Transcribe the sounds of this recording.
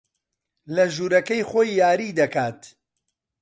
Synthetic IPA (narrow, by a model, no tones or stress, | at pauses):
lɐʒuːɾɐkɐjχoːjːaːɾiːd̪ɐkaːt̪